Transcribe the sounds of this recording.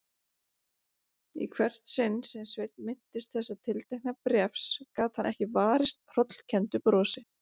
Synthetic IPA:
ḭkʰvɛr̥t̪sɪnːsɛmsvejt̪̚nmɪn̥t̪ɪst̪̚θɛsːat̪ʰɪlt̪ajk̚napɾjɛfskaːt̪hanʔɛhcɪvaːɾɪst̪r̥ɔt̪l̥cʰɛnt̪ʏpɾɔːsɪ

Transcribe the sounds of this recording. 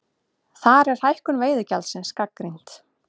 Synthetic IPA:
θaɾɛɾ̥hajhkʏnveːjðʏcalsɪnskakːɾijn̥t̪

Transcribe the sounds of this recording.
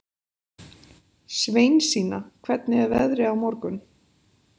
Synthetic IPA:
sveːjnsiːnakʰvɛt̪nɪɛvɛðɾɪawmɔɾkʏn

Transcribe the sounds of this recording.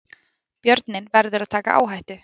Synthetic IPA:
pjœɾt̪nɪnvɛɾðʏɾaðt̪ʰaːka̰ʔa̰ːwɦajht̪ʏ

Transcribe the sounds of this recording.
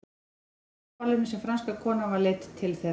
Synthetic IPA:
alɪnɪsɛmfɾanskakʰɔːnavaɾleːt̪t̪ʰːɪlθɛ

